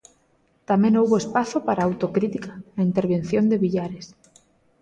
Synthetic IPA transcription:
t̪amẽnowβoespaθopaɾaːwt̪okɾit̪ikḁaint̪eɾβen̟θjond̪eβiʎaɾes

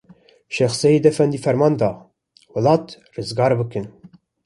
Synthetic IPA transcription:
ʃɛxsɛjid̪ɛfɛnd̪iːfɛɾmɑːnd̪ɑː | wɨlɑːt̪ | rɨzɡɑːɾbɨkɨn

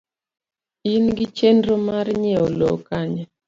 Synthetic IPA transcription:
inɡɪt͡ʃendɾomaɾɲɛolo̰kaɲa

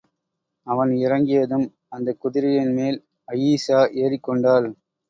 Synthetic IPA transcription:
ɐʋɐnɪɾɐŋɡɪjɐðɯm | ɐnd̪ɐkʊðɪɾɪjɪnmeːl | ɐjiːsaːʔeːrɪkːɔɳɖaːl

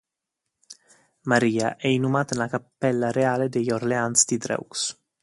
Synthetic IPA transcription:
maɾiːa̰ʔɛinumaːt̪anlakapːɛlːaɾeaːled̪ejorleant̪sd̪id̪ɾɛ̰uks

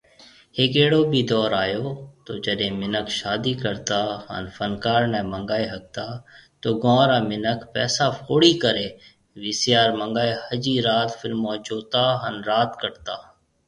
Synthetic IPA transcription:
heːkeːɽoːbʱiːd̪ɔːɾaːjoːt̪oːd͡ʒəɗẽːmɪnəkʃaːd̪iːkəɾt̪aːɦə̰nfənkaːɾnɛ̃ːməŋɡaːeɦək̚t̪aːt̪oːɡɔ̃ːɾaːmɪnəkpɛːsaːfoːɽiːkəɾeː | ʋɪsɪjaːɾmə̃ŋɡaːehəd͡ʒiːɾaːt̪fɪlmːɔːd͡ʒuːt̪aːɦənɾaːt̪kəɾt̪aː

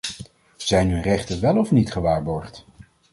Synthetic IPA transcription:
z̥ɛjnɦɵnrɛχtənʋɛlˠɔfnitχəʋaːɹbɔɹχt

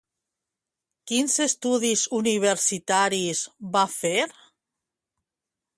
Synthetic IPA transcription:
kinzest̪uðizuniβ̞eɾsit̪aɾizβafeɾ

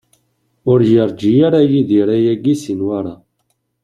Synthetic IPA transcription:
ʊɾjəɾˤd͡ʒijaɾajiðiɾæjæɡisinwaɾa

